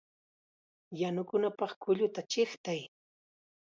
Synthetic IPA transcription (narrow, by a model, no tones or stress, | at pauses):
janʊkʊnapɑχkʊʎʊt̪at͡ʃɪχt̪aj